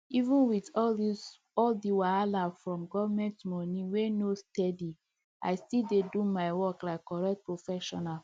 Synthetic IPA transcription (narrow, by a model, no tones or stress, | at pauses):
ivũnwitɔldis | ɔldiwaalafɹɔ̃mɡɔvmɛ̃ntmɔnĩwenostɛdi | a̰ɪstildedumaɪwɔklaɪkːɔɹɛk̚t̚pɹofɛʃɔ̰nal